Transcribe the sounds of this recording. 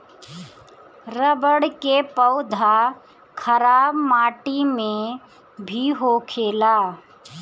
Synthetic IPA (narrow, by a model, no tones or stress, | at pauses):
ɾəbəɽkepəʊd̪ʱa | kʰəɾaːbmaːʈimẽ | bʱiɦokʰeːlaː